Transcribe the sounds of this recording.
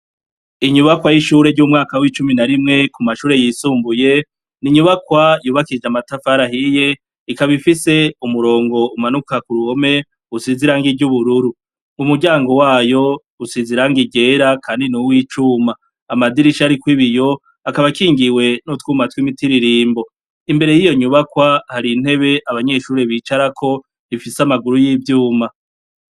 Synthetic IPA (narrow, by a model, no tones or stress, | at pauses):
iɲuβakwajiʃuɾe̞ɾɟuːmŋaːkawit͡ʃuminaɾimŋe̞kumaʃuːɾe̞jisuːmbuje̞ | niɲuβakwajuːβakid͡ʒamatafaɾahije̞ | ikaβifise̞umuɾo̞ːŋɡo̞umanukakuɾuho̞me̞ | usiziɾaŋɡiɟuβuɾuɾu | umuɟaːŋɡo̞waːjo̞ | usiziɾaŋɡiɟe̞ɾakʰaːndinuwiːt͡ʃumaː | madiɾiʃaɾikwiβijo̞ | akaβakiːŋɡiwe̞notwuːmatwiːmitiɾiɾiːmbo̞ | imbe̞ɾe̞jijoɲuβakwahaɾin̥he̞βe̞ʔaβaɲe̞ːʃuːɾeβiːt͡ʃaɾakʰo̞ | ifisamaɡuɾujiːvjuːma